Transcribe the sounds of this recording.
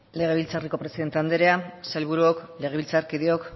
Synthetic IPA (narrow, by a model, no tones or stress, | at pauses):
le̞ɣ̞e̞β̞ilt͡sariko̞pɾe̞siðe̞nt̪e̞and̪eɾeasajlβ̞uɾuokle̞ɣ̞e̞βilt͡saɾkiðeo̞k